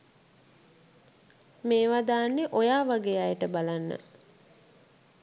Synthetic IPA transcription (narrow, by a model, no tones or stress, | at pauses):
meːʋad̪aːnːeʔojaːʋaɡeːajəʈəbalanːə̰